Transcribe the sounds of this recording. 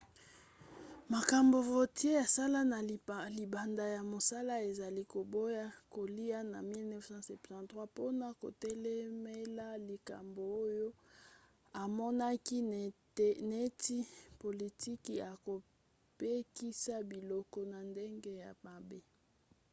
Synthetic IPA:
ma˨ka˨mbo˨vo˨tje˦ja˨sa˦la˦na˨li˨ba˨nda˨ja˨mo˨sa˦la˦e˨za˨li˦ko˨bo˦ja˦ko˨li˦a˦na̰˨mi˦lnɛ˦fsɑ̃˦sɛ˨ptã˨tʁwa˦po˦na˨ko̰˨tɛ˦lɛ˦me˦la˦li˨ka̰˨mbo˨o˦jo˦ | a˨mɔ˦na˦ki˦ | ne˦ti˦po˨li˨ti˦kja˨ko˨ | pe˦ki˦sa˦bi˨lɔ˦kɔ˦na˨nde˦ŋɡe˦ja˨ma˨be˦

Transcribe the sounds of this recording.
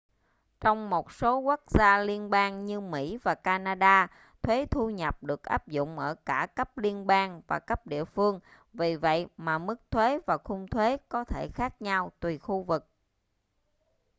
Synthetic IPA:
t͡ɕɔ˧wŋ͡mmo˨˩t̚so˨˦ku˦˥k̚z̥aː˧li˧ənɓaː˧ŋɲɨ˧mḭ˧˥vaː˨˩kaː˧naː˧ɗaː˧ | t̪ʰwe˨˦t̪ʰu˧ɲə˨˩p̚ɗɨ˨˩ək̚ʔaː˦˥p̚zʊ̰˧˨ŋ͡mʔəː˧˩kaː˧˩kə˦˥p̚li˧ənɓaː˧ŋvaː˨˩kə˦˥p̚ɗḭ˧˨əfɨ˧əŋ | vi˨˩və̰˧˨jmaː˨˩mɨ˦˥k̚t̪ʰwe˨˦vaː˨˩xʊ˧ŋ͡mt̪ʰwe˨˦kɔ˨˦t̪ʰe˧˩xaː˦˥k̚ɲa˧wt̪wi˨˩xu˧vɨ˨˩k̚

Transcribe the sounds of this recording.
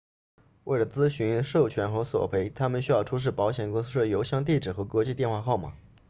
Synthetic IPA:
we˥˩ɪlə˩t͡sɹ̩˥ɕy˧˥nʂo˥˩ʊt͡ɕʰɥɛ˧˥nxɤ˧˥swɔ̰˨˩pʰe˧˥ɪt̪ʰa˥mə˨nɕy˥jɑ˥˩ʊʈ͡ʂʰu˥ʂ̬ɻ̩˥˩pɑ˧˥ʊɕjɛ˨˩nkʊ˥ŋs̬ɹ̩˥ʂ̩˥˩jo˧˥ʊɕjɑ˥˧ŋt̪̬i˥˩ʈ͡ʂɻ̩˨˩xɤ˧˥kwɔ˧˥t͡ɕi˥˧t̪jnxwa˥˧xɑ˥˩ʊmɐ̰˩

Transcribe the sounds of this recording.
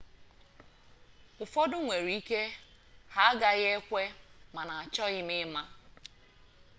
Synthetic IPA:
ʊ˨fɔ˦dʊ˦ŋʷe˨ɾi˦ke˦ | ha˨a˦ɡa˦ɣe˦kʷe˦ma˨na˨a˨t͡ʃɔ˦ɣɪ˦mɪ˦ma˦

